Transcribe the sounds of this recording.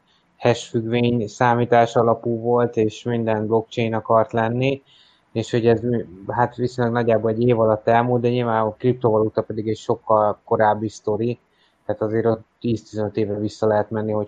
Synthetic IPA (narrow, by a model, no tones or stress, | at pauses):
hɛʃfyɡveːɲsaːmiːt̪aːʃɒlɒpuːvo̞lt̪eːʃmind̪ɛnblo̞k̚t͡ʃejnɒkɒrt̪lɛnːi | eːʃho̞ɟɛzhat̪ʋisoɲlːɛɡnɒɟːaːboːɛɟːeːvɒlɒt̪ːɛlmuːld̪d̪ɛɲilvaːkrip̚t̪ovɒlut̪ɒpɛd̪iɡɛcʃo̞kːɒlko̞ɾaːbːist̪o̞ɾi | t̪ɛːt̪ɒzeːɾot̪ːiːst̪izɛnøt̪eːvrɛvisːɒlɛɦɛt̪mɛnːiɦo̞